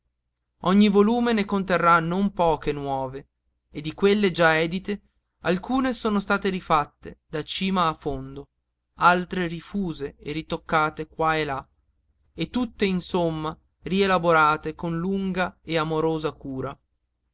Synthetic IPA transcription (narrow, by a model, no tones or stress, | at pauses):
ɔɲːivoluːmenekont̪erːanompɔːkenwɔːve | ed̪ikwelːed͡ʒaɛːd̪it̪e | alkuːnesoːnost̪aːt̪eɾifat̪ːed̪at͡ʃiːmaːfːond̪o | alt̪ɾerifuːzeerit̪okːaːt̪ekwaela | et̪ːut̪ːeinsomːa | rielaboɾaːt̪ekonluŋɡaeamoɾoːzakuːɾa